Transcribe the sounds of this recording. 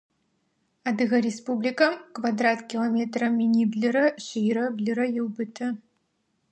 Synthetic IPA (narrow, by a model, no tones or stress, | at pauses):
ad̪ɨɣɐɾʲespublʲikɐmkvad̪ɾat̪kʲilˠɐmʲɛt̪rɐmʲinʲiblʲɨɾɐɕɨjɾɐblʲɨɾɐjɛwbɨt̪ʰɐ